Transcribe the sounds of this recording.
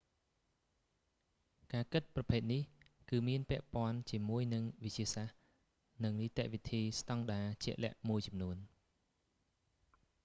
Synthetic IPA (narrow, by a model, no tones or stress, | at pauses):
kaːkɨt̪̚prɑpʰeːt̪̚nihkɨːmiənpɛ̆əʔpŏənt͡ɕiəmuəjnɨŋʋɨc̚t͡ɕiəsah | nɨŋniːt̪ɛʔʋit̪ʰiːst̪ɑŋɗaːt͡ɕɛ̆əʔlɛ̆əʔmuəjt͡ɕɑmnuən